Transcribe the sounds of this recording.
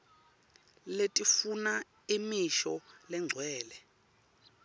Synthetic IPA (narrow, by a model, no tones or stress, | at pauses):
letʼifuna | imiʃɔlɛŋ͡ǀʱwɛːlɛ